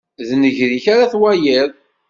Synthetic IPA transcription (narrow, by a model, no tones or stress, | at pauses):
ðnəʝɾiçaɾaθwæjəðˤ